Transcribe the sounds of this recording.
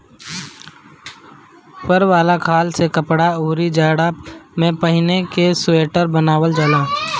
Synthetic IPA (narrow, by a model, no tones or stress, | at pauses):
pəɾʋaːlakʰaːlsekəpɽauːɾid͡ʒaːɽamẽpɐɦɪnekesʊeːʈəɾbənaːwəld͡ʒaːlaː